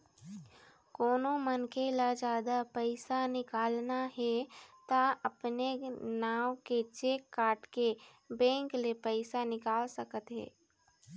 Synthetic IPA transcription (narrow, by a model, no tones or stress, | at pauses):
koːnõmənkelad͡ʒaːd̪apɛɪsanɪkaːlnaɦɛt̪aɐpnenaːwket͡ʃeːkːaːʈke | bɛ̃ːŋklepɛɪsanɪkaːlsəkət̪ɦɛ̰ː